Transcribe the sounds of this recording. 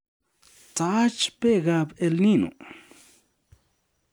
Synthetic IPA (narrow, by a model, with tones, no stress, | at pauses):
t͡sa˧˦t͡ʃpe˦˨ɡa˧be˧lnĩ˦nṵ̃˨